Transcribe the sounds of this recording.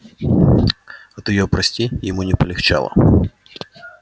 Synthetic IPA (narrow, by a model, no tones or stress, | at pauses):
ɐt̪ɔjɔpɾɐsʲtʲijɪmunʲɪpɔlʲɪxt͡ʃa̰lˠɐ̰